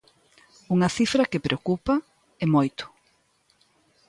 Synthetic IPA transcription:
uŋɐθifɾɐkɪpɾʔeokupɐ | emojt̪ʊ̥

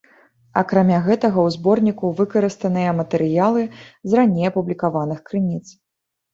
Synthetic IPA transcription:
ɐ̰kɾamʲaɣɛt̪ɐɣɐwzbɔrnʲikuvɨkɐɾɨst̪ɐnɨjɐmɐt̪ɛɾɨjalˠɨzranʲejɐpublʲikavanɨxkɾɨnʲit̪s

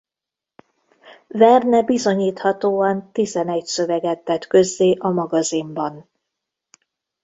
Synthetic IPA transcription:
vɛrnɛbizo̞ɲiːt̪hɒt̪oːɒnt̪izɛnɛcsø̞vɛɡɛt̪ːɛt̪kø̞zːeːʔɒmɒɡɒzimbɒn

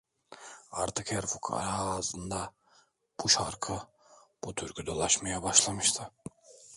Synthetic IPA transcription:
aɾt̪ʰɯkhɛɾfukʰa̰ɾːzɯnd̪a | b̥uʃaɾkʰɯ | b̥ut̪ʰyɾkʲʰyd̪o̞lˠaʃmajabaʃlˠamɯʃt̪ʰɯ

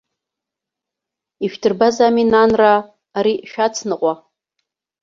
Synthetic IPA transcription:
iʃᶣtʰɨrbazaminanraː | ɾiʃᶣat͡sʰnɨqʷʼa

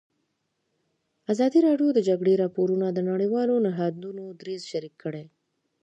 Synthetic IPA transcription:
azɑd̪iɾɑɖjod̪əd͡ʒaɡɽeɾɑpoɾunad̪ənaɽəjwɑlonaɦɑd̪unod̪ɾezʃaɾikʰːəɽe

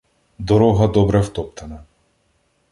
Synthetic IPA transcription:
d̪ɔɾɔɦad̪ɔbɾɛft̪ɔp̚t̪ʰana

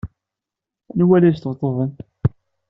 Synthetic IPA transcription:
nwælæjst̪vt̪ˤːəvən

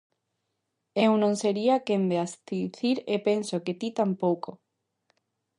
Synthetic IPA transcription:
ewnõŋseɾiakembeast̪iθiɾepensoket̪it̪ampowko

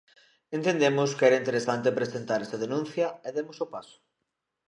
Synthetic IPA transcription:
ent̪end̪emʊskɛɾɐint̪eɾesant̪epɾesent̪aɾɛst̪aðenũn̟θjɐeðemʊsʊpasʊ̥

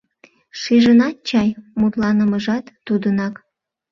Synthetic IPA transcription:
ʃiʒənɑt̪̚t͡ɕɑjmut̪lɑnəməʒɑt̪ːud̪ənɑk

